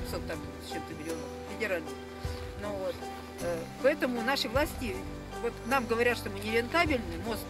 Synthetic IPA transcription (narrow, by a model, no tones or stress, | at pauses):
sot̪ːam | t͡ɕːe̞mt̪əmʲɪlʲɪo̞nəffʲɪdʲɪɾalʲnə | novot̪ | əpɐɛt̪əmʊnaʂɨvlˠasʲtʲɪ | vo̞t̪namɡəvɐɾʲat̪ʂt̪o̞mɨnʲɪɾʲɪnt̪abʲɪlʲnɨmo̞s